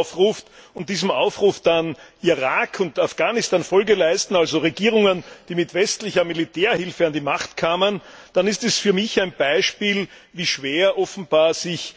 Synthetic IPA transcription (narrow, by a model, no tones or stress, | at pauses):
fʁuːftʊnt̚d̥iːzəm̩ʔaʊfʁuːfd̥anʔiʁaːkʰʊntafɡ̥aːnɪstanfɔlɡəlæɪstn̩alzoʁeɡiːʁʊŋənd̥iːmɪtvɛstlɪçɐmilitʰɛːɐhɪlfəandimaχtkʰaːmənd̥anɪstɛsfyːɐmɪçæɪnb̥æɪʃpiːl | viːʃv̥eːɐʔɔfn̩b̥aːɐzɪç